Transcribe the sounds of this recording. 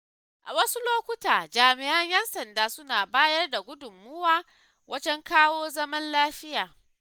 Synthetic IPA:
ʔa̰˨wɐ˦su˦loː˦kʷʊ˦taː˨d͡ʒaː˨mɪ˨ʔɐ˦ɲjɐ˦nsɐ˨ndaː˦sʊ˦naː˨baː˦jɐ˦rda˨ɡʷʊ˦dʊ˨mːʊ˦waː˦ | wʔɐ˦d͡ʒɛ˦ŋkaː˦woː˦zɐ˦mɐ˦nlaː˦ɸɪ˦jaː˨

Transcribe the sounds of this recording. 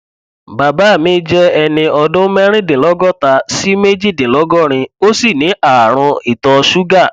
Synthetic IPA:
ba˨ba˨˦˨mĩ˦d͡ʒɛ˦ɛ˧nɪ̃˧ɔ˧dʊ̃˦mɛ˦ɾ̃ĩ˦dɪ̃˨lɔ˦ɡɔ˦˨ta˧si˦me˦d͡ʒi˦˨dɪ̃˨lɔ˨˦ɡɔ˦˨ɾ̃ɪ̃˧o˦si˦˨nĩ˨˦a˦˨ɾ̃ʊ̃˧i˨tɔ˧ʃu˦ɡa˦˨

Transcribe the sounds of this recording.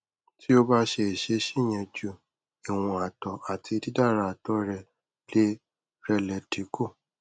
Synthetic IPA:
tʰi˦o˦ba˦ʃe˧i˨ʃe˧˦ʃi˦˨j̃ɛ̃˧d͡ʒu˨˦ | i˨w̃ɔ̃˧a˨tɔ˨a˨ti˧di˦da˦˨ɾa˧a˨tɔ˨˦ɾɛ˧ | le˦ | ɾɛ˧lɛ˨ti˨˦ko˦˨

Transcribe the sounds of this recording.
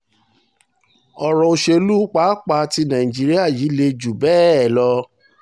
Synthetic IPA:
ɔ˨ɾɔ̃˨o˧ʃe˧lu˦k͡pa˨˦k͡pa˧˦ti˧nã˨ĩ˨d͡ʒi˨˦ɾi˦a˦˨ji˨˦le˧d͡ʒu˨bɛː˦˨ɛ˨lɔ˧

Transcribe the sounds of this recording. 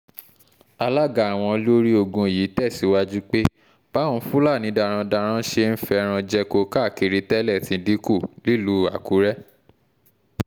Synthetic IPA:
a˧la˦˨ɡa˨a˨w̃ɔ̃˧lo˦ɾi˦o˧ɡũ˧i˨ji˨˦tɛ˦˨si˨˦wa˦d͡ʒu˦k͡pe˦ | b̥a˦ũ˧˦fu˦la˦˨nĩ˨˦da˧ɾ̃ã˧da˧ɾ̃ã˧˦ʃe˧n̩˦fɛ˧ɾ̃ã˧d͡ʒɛ˧ko˧ka˦˨ki˧ɾi˧tɛ˦lɛ˦˨tĩ˧di˦ku˦˨li˦˨lu˨˦˨a̰˨ku˨˦ɾɛ˦

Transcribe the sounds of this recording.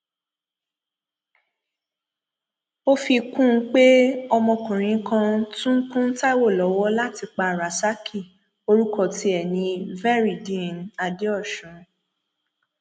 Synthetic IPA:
o˦fi˧kũ˦˧˦k͡pe˦ɔ˧mɔ̃˧kũ˨ɾ̃ĩ˨˦kã˧˦tũ˦ŋ̩˦kũ˦n̩˦ta˦wo˦˨lɔ˨˦wɔ˦la˦ti˧k͡pa˧˨ɾa˨sa˦kʰi˦˨ | o˧ɾu˦kɔ˦˨ti˦ɛ˨nĩ˧vɛ˦ɾi˨dĩ˨n˨a˧de˦ɔ˦˨ʃũ˨˦

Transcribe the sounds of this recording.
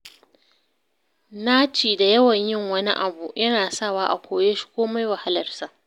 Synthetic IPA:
na˦t͡ʃiː˨da˨jɐ˦wɐ˨ɲjɪ˦˨ŋwɐ˦ni˦ʔa˨bu˨jɐ˦naː˨sa˦˨waː˦ʔa̰˨kʷoː˦ja˦ʃi̥˦kʷoː˦ma˦jwa˨ha˦lɐ˨rsa˨ʔ

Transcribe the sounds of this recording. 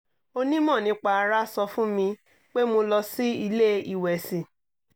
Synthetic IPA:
o˧nĩ˦mɔ̃˦˨nĩ˨˦k͡pa˧a˧ɾa˦sɔ˧fũ˦mĩ˧ | k͡pe˦mo˧lɔ˧si˦i˧le˦i˨wɛ˨sĩ˨

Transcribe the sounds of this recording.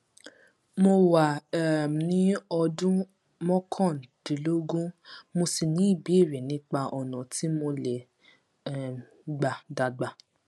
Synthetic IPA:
mo˧wa˨ɛ˨nĩ˨˦ɔ˧dũ˦ | mɔ̃˦kʰɔ̃˦˨n˨d̥i˨˦lo˦ɡũ˦mo˧si˨nĩ˨˦i˦˨bi˨˦e˦˨ɾe˨nĩ˦k͡pa˧ʔɔ˨nɔ̃˨ti˦mo˧le˨ | ɡ͡ba˨da˧ɡ͡ba˨

